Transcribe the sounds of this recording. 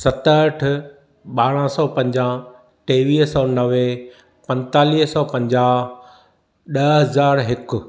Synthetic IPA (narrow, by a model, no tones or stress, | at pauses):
sɐt̪əʈʰ | ɓaːɽ̃ãsɔːpɐ̃ɲd͡ʑãː | ʈeːʋiːɦsɔːnɐʋe | pɐ̃nt̪aːliːɦsɔːpɐ̃ɲd͡ʑaː | ɗɐɦɐzaːɾɦɪkʊ̆